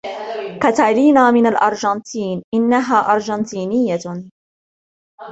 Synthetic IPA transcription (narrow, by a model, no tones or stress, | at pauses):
kat̪aliːnaːmɪnalʔɑɾˤd͡ʒɑnt̪iːnʔɪnːaɦaːʔɑɾˤʒɑnt̪iːnɪjːa